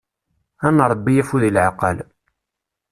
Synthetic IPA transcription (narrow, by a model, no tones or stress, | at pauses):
ænɾˤəbːijæfuðilʕaqə̰l